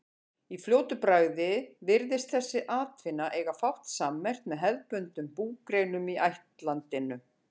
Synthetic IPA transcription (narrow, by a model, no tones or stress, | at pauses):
ifljoːwt̪ʏpɾaːɣðɪvɪɾðɪst̪θɛsːɪʔaːt̪vɪnːaʔejɣafawht̪saːmːɛr̥t̪mɛðɦɛðpʏnt̪ʏmpuːkɾejnʏmiʔajht̪lant̪ɪnʏ